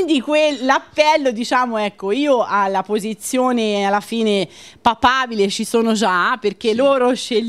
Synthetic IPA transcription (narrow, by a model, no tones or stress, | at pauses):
nd̪ikwelːapːɛlːod̪it͡ʃaːmoɛkːoiːoʔalːapozit̪sːjoːnealːafiːne | papaːbilet͡ʃisoːnod͡ʒaperk̟elːoːɾoʃe